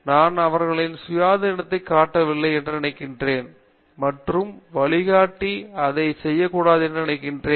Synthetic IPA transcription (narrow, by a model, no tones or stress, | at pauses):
naːnɐʋɐɾɣɐɭɪnsʊjaːðɐɪnɐt̪ːɐɪkːaːʈːɐʋɪlːɐɪɛndrɯnɪnɐɪkːɪndreːn | mɐʈrɯmʋɐɭɪɣaːʈːiɐðɐɪsɛjːɐkːuːɽaːðɯɛndrɯnɪnɐɪkːɪndreː